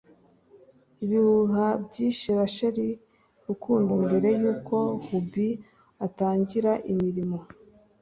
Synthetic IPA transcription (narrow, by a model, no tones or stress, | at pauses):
iβihuɦabɟiːʃiβaʃaɾi | ɾukʰuːndimbe̞ɾe̞juːko̞hubi | ataːɲɟiɾaʔimiɾimo̞